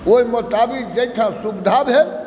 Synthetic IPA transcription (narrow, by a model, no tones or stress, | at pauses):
oimət̪abikd͡ʒejt̪ʰãsubd̪ʱabɦe